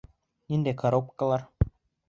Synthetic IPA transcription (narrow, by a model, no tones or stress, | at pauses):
nʲind̪ækɐɾop̚kəlˠɑɾ